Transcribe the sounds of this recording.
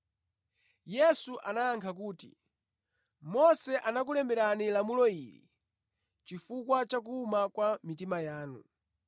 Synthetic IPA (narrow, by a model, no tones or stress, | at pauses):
jɛsuʔanaːŋkʰak̬uːtḭ | mɔsɛʔanak̬ulɛmbɛɾanilamulɔiɾḭ | t͡ʃifukwat͡ʃak̬uːmakwamitimajaːnṵ